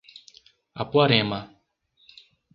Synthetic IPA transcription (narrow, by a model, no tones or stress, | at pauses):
a̰pwaɾɛma